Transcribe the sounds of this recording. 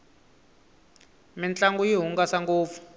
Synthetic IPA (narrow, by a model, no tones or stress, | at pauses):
mint͡ɬʼaŋɡujiɦuŋɡasaŋɡoːp̪fu̥